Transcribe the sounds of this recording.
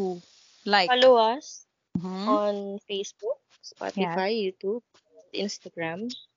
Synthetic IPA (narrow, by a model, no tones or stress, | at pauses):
u | lajfɐloas | ɔnfejsbuk̚ | spa̰t̪ɪfajːuːt̪ub̚ | t̪ʔḭnst̪aɡɹam